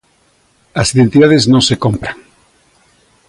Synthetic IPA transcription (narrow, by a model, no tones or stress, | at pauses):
asiðẽnt̪iðaðeznõŋsekõmpɾaŋ